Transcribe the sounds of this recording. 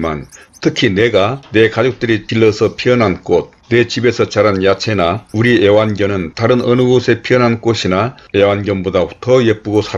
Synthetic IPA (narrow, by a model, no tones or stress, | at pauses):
ma̰n | tʰɯkʰine̞ɡane̞kad͡ʑok̚t͈ɯɾikiɭːʌsʰʌpʰiʌnɦank͈ot̚ne̞t͡ɕibe̞sʰʌt͡ɕaɾanjat͡ɕʰenauɾiewanɡjʌnɯntaɾɯnʌnɯɡosʰe̞pʰiʌnɦank͈oɕʰinae̞wanɡjʌnbodautʰʌjep͈uɡosʰa